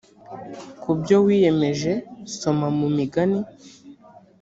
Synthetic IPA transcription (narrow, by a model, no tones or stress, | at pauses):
kubjo̞wije̞me̞ʒe̞so̞mamumiɡani